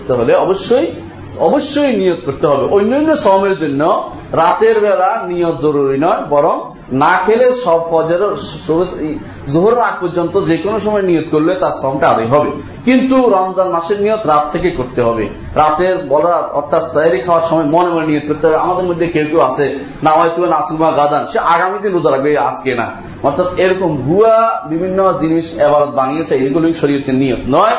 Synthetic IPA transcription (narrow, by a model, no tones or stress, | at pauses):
t̪eɦoleɔboʃːoj | ɔboʃːojnijot̪̚koɾt̪eɦɔbeʔojnːɔjnːosɔɦmeɾd͡ʑonːo | ɾat̪eɾbɛlanijot̪zoɾuɾinɔebɔɾɔŋ | nakʰeleʃɔbfɔd͡ʑɔɾsobes | zoɦoɾoɾaɡ̚pɔɾd͡ʑɔnt̪od͡ʑekonoʃɔmɔenijot̪koɾlet̪aɾsɔɦomʈaad̪ajɦɔbe | kint̪uɾɔnd̪aɾmaʃeɾnijot̪ɾat̪ʰːekekoɾt̪eɦɔbe | ɾat̪eɾbɔlɾaɔɾt̪ʰat̪sɔaɾikʰaoaɾʃɔmɔemɔnemonenijot̪̚koɾt̪eɦɔbeamad̪eɾmod̪ʱːekewkewasʰe | namajt̪uanasumaɡad̪anʃeʔaɡamid̪inɾud͡ʑaɾaɡbea̰skena̰ | ɔɾt̪ʰat̪eɾɔkomɡʱuabibʱinːod͡ʑiniʃɛbaɾot̪̚banijet͡ɕʰeejʈʰikoloiʃoɾijot̪eɾnijot̪nɔe